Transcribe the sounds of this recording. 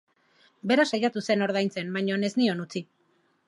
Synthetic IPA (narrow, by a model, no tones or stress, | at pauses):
be̞ɾasajat̪use̞no̞ɾðajnt͡se̞nbaɲo̞ne̞znio̞nut͡si